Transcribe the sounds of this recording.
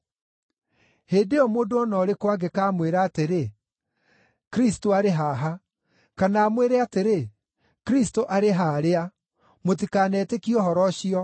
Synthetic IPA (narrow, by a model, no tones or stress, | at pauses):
heːndeɔmoːndoɔnɔɾekwaɡekaːmweɾaːteɾe | kɾistoaɾeɦaːɦa | kanaːmweɾɛateɾe | kɾistoʔaɾeɦaːɾea | mot̬ikaːnɛːtekiɔɦɔɾɔɕiɔ